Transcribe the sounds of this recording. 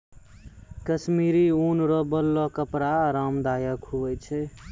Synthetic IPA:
kəsmiɾiunɾɔbəlːɔkəpɾaɾamd̪ajəkʰubəjt͡ʃʰɛ

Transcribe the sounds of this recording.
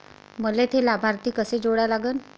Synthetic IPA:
məlet̪ʰelabʱaɾt̪iːkəsed͡zoɽjalaɡən

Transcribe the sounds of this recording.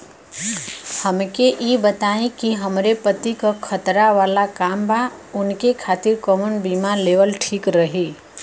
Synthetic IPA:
həmkeʔibət̪aẽkiɦəmɾepət̪ikakʰət̪ɾaʋaːlakaːmbʱaʊnkekʰaːt̪ɪɾkɔːmənbimaleʋəlʈʰiːkɾəɦi

